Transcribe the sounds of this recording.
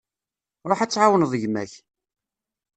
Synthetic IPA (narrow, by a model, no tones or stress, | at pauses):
ɾˤoħæt͡sːʕawənðˤəʝmæ̰ç